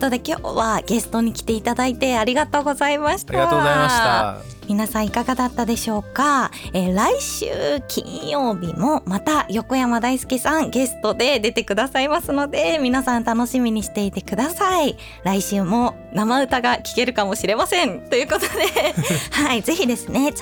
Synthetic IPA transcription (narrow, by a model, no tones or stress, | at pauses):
ot̪od̪e̞kʲo̞̰ːβaɡ̥e̞sɨ̥t̪o̞ɲ̟ikʲi̥t̪e̞it̪ad̪ait̪e̞aɾʲiɡat̪o̞ːɡo̞zaimaɕi̥t̪ːa | mʲinasãɰ̃ikaɡad̪at̪ːad̪e̞ɕo̞ːkaeɾaiɕɨ̰ːkʲʰḭ̃ɰ̃jo̞ːbʲimo̞mat̪ajo̞ko̞jamad̪aisɨ̥kʲisãŋɡe̞sɨ̥t̪o̞d̪e̞d̪e̞t̪e̞kɯ̟d̪asaimasɨno̞d̪e̞mʲinasãnt̪ano̞ɕimʲiɲ̟iɕi̥t̪e̞it̪e̞kɯ̟d̪asai | ɾaiɕɨːmo̞ | namaɯ̟t̪aɡakʲi̥ke̞ɾɯ̟kamo̞ɕiɾe̞masẽ̞nt̪o̞jɯ̟ːko̞t̪od̪e̞haize̞çid̪e̞sɨne̞